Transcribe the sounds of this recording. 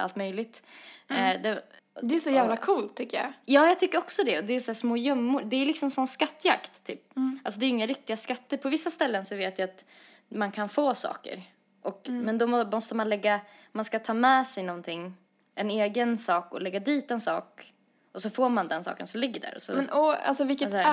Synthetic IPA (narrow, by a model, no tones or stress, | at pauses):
a̰lt̪mœjlɪɡ̚t̪ | d̪ɛ | d̪ɛːʂɔjæːvlakʰuːlt̪ʰːʏkːəja̰jɑːjɑɡt̪ʰʏkːəɾɔksɔd̪ɛɔd̪ɛːsæːʂmoːjœmːʊɾd̪ɛːlɪksɔmsɔnːskat̪ːja̰kt̪ʰːy̰ːp̚als̬ɔd̪ɛɾjɪŋːaɾɪk̚t̪ɪɡaskat̪ːəɾpʰɔvɪsːast̪ɛlːənsɔveːt̪jajat̪ | mankʰanfoːsɑ̰ːkə̰ɾ | ʔɔkmɛnd̪ɔɔmɔst̪əmanlɛɡːa | manskat̪ʰɑːmɛːsɛjnɔnt̪ʰɪŋː | ʔɛneːɡənsɑːkɔ̰lɛɡːad̪iːt̪ɛnsɑ̰ːk | ʔɔsɔfoːɾmand̪ɛnsɑ̰ːkə̰nsɔmlɪɡːəɖæ̰ːɾɔ̰sɔ̰mɛnɔa̰lsɔvɪlkːə